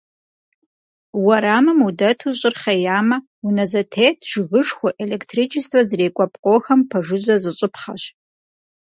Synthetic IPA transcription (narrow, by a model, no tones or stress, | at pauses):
wɐɾaːmɨmudɐtʰuɕʼɪrχɐjaːmɐ | unɐzɐtʰeːtʰʒ̥ɪɣɨʂxʷʊʔeleːktʰrit͡ʃʰɪstʰwɐzreːkʷʼɐpʼqʼoːxɐmpʰɐʐɨʑɐzɨɕʼʊpʰχɐ̰ɕ